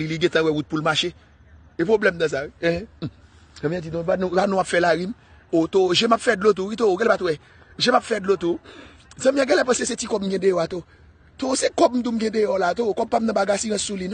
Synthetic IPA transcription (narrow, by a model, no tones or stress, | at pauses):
iliɡɛ̃t̪ãwɛwut̪̚pulmaʃe | epʁoblɛmd̪ɐ̃s̬aɛ̃ | ɛ̃mĩãd͡ʒinõbañbanɔ̃apfɛlaɣim | ot̪oʒemapfɛdlot̪̬ukit̪ooɡɛlɛpat̪owɛ | ʒemapfɛdlot̪u | zãmĩɛ̃ɡɛlɛpãsesetikɔbm̩ɡɛ̃dejɔat̪o | t̪osekɔb̚m̩t̪um̩ɡɛ̃dejɔlat̪okɔb̚pːam̩nɐ̃baɡasĩɣɛ̃sulin